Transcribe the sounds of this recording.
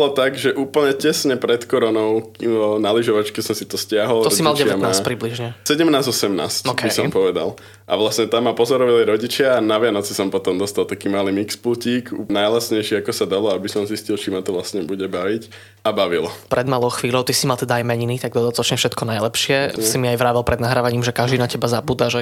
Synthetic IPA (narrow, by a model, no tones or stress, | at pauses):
bɔlɔt̪aɡʒɛʔuːpl̩ɲɛcɛsɲɛpɾɛt̪kɔɾɔnɔʊnaliʒɔʋat͡ʃkɛsɔmsit̪ɔscɪaɦɔlt̪ɔɔsimalt͡ʃɟɛɛamnaːspɾibliʒɲɛsɛɟɛmnaːzɔsɛmna̰ːscɔkɛbisɔmpɔʋɛd̪a̰l | ʔa̰ʋlasɲɛt̪amːapɔzɔɾɔʋaliɾɔɟit͡ʃɪaːnaʋɪanɔt͡sisɔmpɔt̪ɔmd̪ɔst̪alˠt̪akiːmaːlimikspluciːkunajlasɲɛjʃiakɔsad̪alɔabisɔmziscilˠt͡ʃimat̪ɔʋlasɲɛbuɟɛbaʋic | abaʋilɔpɾɛd̪maːlɔʊxʋiːʎɔʊt̪isimalt̪ɛd̪aajmɛɲinit̪aɡ̚d̪ɔd̪at̪ɔt͡ʃɲɛfʃɛt̪kɔnajlɛpʃɪɛsimiajʋɾaːʋɛlˠpɾɛd̪naɦɾaːʋaɲiːmʒɛkaʒd̪inacɛbazabuːd̪aʒɛ